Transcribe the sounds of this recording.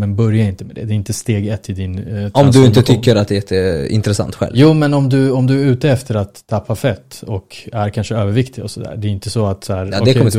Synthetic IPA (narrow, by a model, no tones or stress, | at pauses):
mɛnbœɾjaɾɪnt̪əmɛd̪ɛ̰d̪ɛːɾɪnt̪əst̪eːɡɛt̪ʰːɪd̪ɪnt̪ɔmd̪ɵɪnt̪ət̪ʰʏkːəɾat̪̚d̪ɛjɛt̪ʰːəɪ̰nt̪ɾɛsa̰nt̪ːɧɛ̰ljuːmɛnɔmd̪ɵɔmd̪ɵæɾʉ̟ːt̪əɛft̪əɾat̪ʰːapʰːafɛt̪ːɔkæɾkʰanʂəøːvəɾvɪkt̪ʰɪɡɔsɔd̪æ̰ːɖɛɾɪnt̪əsɔat̪sæːɾɔkd̪ɛkɔməd̪